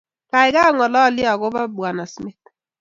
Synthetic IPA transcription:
ka˨ɪ˨ka˦ŋɔ˨lɔ˦˨lɪ˦a˨ɣʊ˦ba˦bwa˨na˨smɪ˦t̪̚

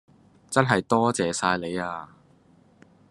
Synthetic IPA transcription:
t͡sɐ˥nɦɐ˨jt̪ɔː˥t͡sɛː˨saː˧jle˨˧jaː˧

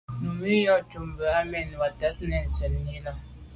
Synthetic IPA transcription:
m̩˨mi˦jɔ˨t͡ʃu˨m˨bə˨a˦mɛ˦n˨ba˨ta˦tnɛ˨n̩˨sə˨n˨ɲi˦na˦

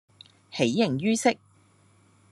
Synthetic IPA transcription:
he˨˥jjɪ˨ŋjyː˥sɪ˥k̚

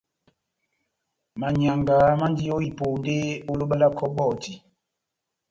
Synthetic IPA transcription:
ma˨ɲa˨ŋɡa˨˦ma˦ndi˦jo˦i˨poː˨nde˦o˦lo˦ɓa˦la˦kʰɔ˦ɓɔː˦˨ti˨

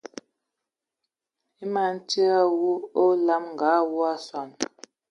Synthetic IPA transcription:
i˦ma˨n̩˦tə˦a˦wu˦o˦la˦mŋ̩˨ɡa˨˦wu˦a˦swa˨n

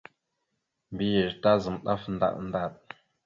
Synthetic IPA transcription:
mbi˦jə˨ɾta˦zə˨mɗa̰˦fn˦da̰˦˨ʔnda˦˨ɗ

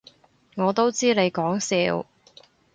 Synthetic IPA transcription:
ŋɔː˨˧t̪o˥wt͡siː˥ne˨˧jkɔː˨˥ŋsiː˧w

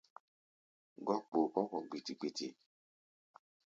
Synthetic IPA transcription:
ɡɔ˦k͡po˨ʔɔ˦kɔ˨ɡ͡bi˨ti˨k͡pi˦tḭ˨

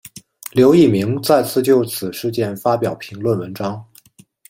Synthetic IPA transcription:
ljo˧˥ʊi˥˩mi˧˥ŋt͡sa˥˧ɪt͡sʰɹ̩˥˧t͡ɕjo˥˩ʊt͡sʰɹ̩˨˩ʂɻ̩˥˧t͡ɕjɛ˥˩nfa˥pjɑ˨˩ʊpʰi˧˥ŋlwə˥˩nwə˧˥nʈ͡ʂɑ˥ŋ

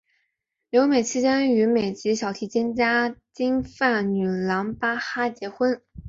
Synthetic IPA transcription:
ljo˧˥ʊme˨˩ɪt͡ɕʰi˥t͡ɕjɛ˥ny˧˥me˨˩ɪt͡ɕi˧˥ɕjɑ˨˩ʊt̪ʰi˧˥t͡ɕjɛ˥nt͡ɕja˥t͡ɕi˥ŋfa˥˩nny˨˩lɑ˧˥ŋpa˥xa˥t͡ɕjɛ˧˥xwə˥n

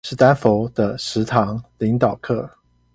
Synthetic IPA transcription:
ʂɻ̩˥˩t̪a˥nfo˧˥ʊd̪̥ə˧ʂɻ̩˧˥t̪ʰɑ˧˥ŋli˨˧˥ŋt̪ɑ˨˩ʊkʰɤ˥˩

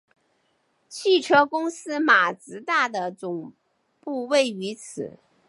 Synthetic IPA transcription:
t͡ɕʰi˥˩ʈ͡ʂʰɤ˥kʊ˥ŋsɹ̩˥ma˨˩t͡sɹ̩˧˥t̪a˥˩d̪ə˩t͡sʊ˨˩ŋ | pu˥˧we˥˩ɪy˧˥t͡sʰɹ̩˨˩˦

